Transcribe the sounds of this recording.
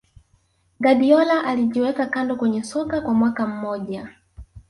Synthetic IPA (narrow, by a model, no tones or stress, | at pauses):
ɡaɗiɔlaʔaliʄiwɛkakandɔkwɛɲɛsɔkakwamwakam̩mɔʄa